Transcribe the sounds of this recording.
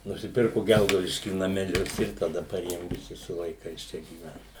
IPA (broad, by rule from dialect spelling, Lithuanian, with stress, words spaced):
nʊsʲɪˈpʲɪrkʊ ˈɡʲɛlˠɡɐʊdʲɪʃʲkʲiː nɐmʲɛˈlʲʊs ɪr tɐˈdɐ pɐˈrʲeːjoːm ʋʲɪˈsʲɪ sʊ ʋɐɪˈkɐɪs ˈt͡ʃʲɛ ɡʲiːˈʋʲɛnt